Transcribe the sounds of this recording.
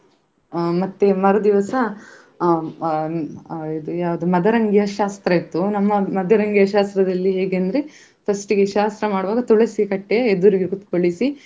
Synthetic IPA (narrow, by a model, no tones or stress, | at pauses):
mɐt̪ːemɐɾɐd̪iʋɐsɐ | id̪ujaːʋɐd̪umɐd̪ɐɾɐŋɡjɐʃaːst̪ɾɐit̪ːunɐmːɐmɐd̪ɐɾɐŋɡjɐʃaːst̪ɾɐd̪ɐlːiɦeːɡeɐnd̪ɾe | pʰɐsʈiɡeʃaːst̪ɾɐmaːɽuʋaːɡɐt̪uɭɐsikɐʈːejɐed̪uɾiɡekut̪koɭisi